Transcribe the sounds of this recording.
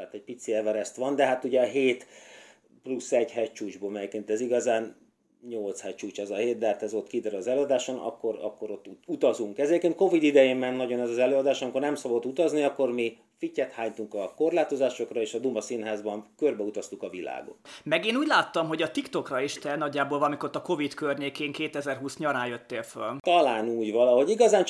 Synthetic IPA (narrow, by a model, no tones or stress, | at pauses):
at̪ɛɟ̚pit̪siɛvɛɾɛst̪ʋɒnd̪ɛɦat̪uɟɛɦeːt̪ | plusːɛɟhɛc̚t͡ʃuːd͡ʒboːmɛjekeːnt̪ɛziɡɒzaːn | ɲo̞lt̪shɛct͡ʃuːt͡ʃɛzɒheːt̪d̪ɛhat̪ɛzot̪ːkid̪ɛɾyɒzɛløːɒd̪aːʃonɒ̰kːo̞ɾɒ̰kːo̞ɾo̞t̪ːuut̪ɒzuŋkɛzɛjekeːnt̪̚ko̞vid̪id̪ɛjeːmːɛnːɒɟo̞nɛzɒzɛløːɒd̪aːʃɒmikornɛmsɒbo̞t̪ːut̪ɒzniɒkːo̞rmi | ficːɛt̪haːɲt̪uŋkɒko̞rlaːt̪o̞zaːʃo̞krɒeːʃɒd̪umɒsinɦaːzbɒnkørbɛut̪ɒst̪ukɒvila̰ːɡo̞̰t̪ːmɛɡeːnuːɟʲlaːt̪ːɒmɦo̞ɟɒt̪ikt̪o̞krɒeːʃt̪ɛnɒɟːaːboːlvɒlɒmikorot̪ːɒko̞vit̪kørɲeːkeːŋkeːt̪ɛzɛrɦuːsɲɒɾaːjøt̪ːeːlfølt̪ɒlaːnuːɟvɒlɒho̞ɟiɡɒzaːn